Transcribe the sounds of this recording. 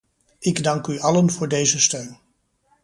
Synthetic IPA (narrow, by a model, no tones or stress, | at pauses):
ɪɡdɑŋkyɑlənvʊːɹdejzəstøɥn